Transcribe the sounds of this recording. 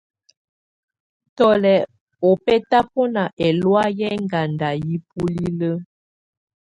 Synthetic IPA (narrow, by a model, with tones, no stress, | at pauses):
tɔ˨lɛ˨ | o˨pɛ˦ta˦pɔ˦na˨ʔɛ˨lwa˦jɛ˦ŋɡa˨nda˨ji˦pu˦li˦lə˦